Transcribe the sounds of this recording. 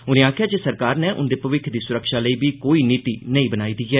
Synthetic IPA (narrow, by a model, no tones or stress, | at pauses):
ʊnẽːaːkʰɪjaːd͡ʒesəɾkaːɾneːʔʊ̰nd̪eːpəʋɪkʰd̪iːsʊɾəkʃaːləiːbiːkoːiːniːt̪ḭːnəĩːbənaːiːd̪iːɦɛː